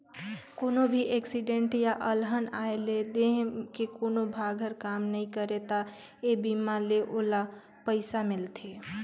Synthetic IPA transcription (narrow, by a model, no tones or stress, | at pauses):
koːnobʱiʔeksiɖeɳʈjaʔəlɦənaeled̪eɦkekonobʱaɡʱəɾkamnəĩkəɾet̪a | ebimaleʔola | pəɪsamɪlt̪ʰe